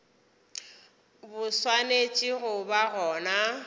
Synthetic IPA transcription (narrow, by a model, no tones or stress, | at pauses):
bʊswanet͡ʃʼɪɣʊbaɣɔːna